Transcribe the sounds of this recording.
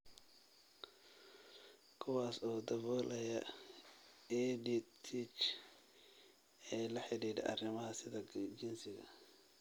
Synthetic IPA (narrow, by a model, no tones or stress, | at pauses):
kʰʊwɑːsɔːd̪ɐβɔːlʔɐjɐ | ɛdit̪ʰit͡ʃ | ɛːlɐħɪɽiːdɛ̰ʔɐrɪmɐɦɐsɪðɐd͡ʒɪnsɪɣɐ̰